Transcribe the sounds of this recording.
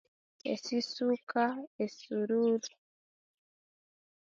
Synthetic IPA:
ḛsisukʰaesuɾuɾu

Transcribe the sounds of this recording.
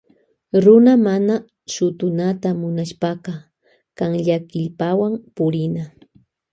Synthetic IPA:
ɾʊnamana | ʃʊt̪ʊnat̪amʊnaʃpɑqɑ | kaŋʎakɪʎpawampʊɾɪna

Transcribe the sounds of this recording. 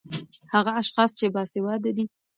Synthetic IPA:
haɣaːʃxɑst͡ʃebɑsɪwɑd̪ad̪i

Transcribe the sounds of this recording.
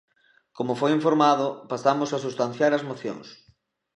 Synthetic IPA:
komofojiɱfoɾmaðʊpasamosasust̪an̟θjaɾazmoθjõ̰ŋs

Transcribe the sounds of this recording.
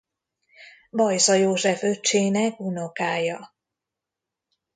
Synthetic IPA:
bɒjsɒjoːʒɛfø̞t͡ʃːeːnɛk̚uno̞kaːjɒ

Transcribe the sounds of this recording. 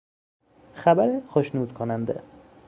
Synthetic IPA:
xabæɾexoʃnuːd̪kʰonænd̪ḛ

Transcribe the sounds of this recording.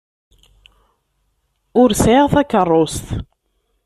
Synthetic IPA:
ʊɾseʁθækːərˤːʊst̪

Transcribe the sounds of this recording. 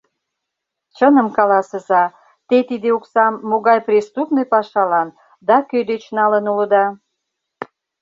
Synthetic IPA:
t͡ɕənə̆mkɑlɑsəzɑ | t̪et̪id̪euksɑmːoɣɑjprʲist̪upnejpɑʃɑlɑn | d̪ɑkød̪et͡ɕnɑlənulə̆d̪ɑ

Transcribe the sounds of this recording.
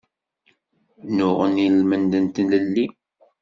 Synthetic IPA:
nʊʁənilmənd̪ənt̪ləlːi

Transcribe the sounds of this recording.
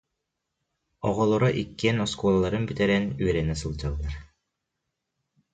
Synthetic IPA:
ɔʁɔlˠɔɾɔʔikːiɛnɔskɔlˠalˠɑɾɯnbyt̪ɛɾɛnyɛɾɛnɛsɯlˠd͡ʑɑlˠːɑɾ

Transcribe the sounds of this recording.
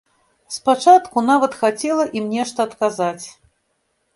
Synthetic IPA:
spat͡ʂat̪kunavɐt̪xat͡sʲɛlˠɐʔimnʲɛʂt̪ɐːt̪kazat͡sʲ

